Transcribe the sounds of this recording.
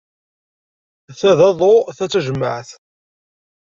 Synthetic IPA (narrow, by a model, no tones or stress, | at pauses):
θæðɑðˤoθæt͡sːæʒəmːə̰ʕθ